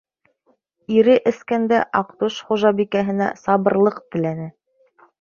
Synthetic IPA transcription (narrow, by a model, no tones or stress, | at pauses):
iɾɘʔɘ̆skænd̪æʔɑqt̪uʃχuʒɑbikæɦɘ̆næ̰sɑβɤ̆ɾlˠɤqt̪ɘ̆lænɘ